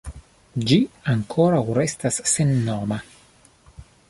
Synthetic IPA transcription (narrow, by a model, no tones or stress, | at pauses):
d͡ʒiaŋkʰo̞ɾawɾe̞stasːe̞nːoma